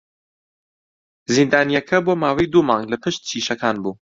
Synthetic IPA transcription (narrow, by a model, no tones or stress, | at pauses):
zind̪aːnijɛkʰɐboːmaːwejd̪uːmɑ̃ːŋɡlɐpʰɨʃt̪̚t͡ʃʰiːʃɐkʰaːnbuː